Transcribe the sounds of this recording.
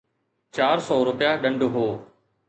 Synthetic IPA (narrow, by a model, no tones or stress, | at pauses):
t͡ɕaːɾsɔːɾʊpɪjaɗə̃ɳɖɦoː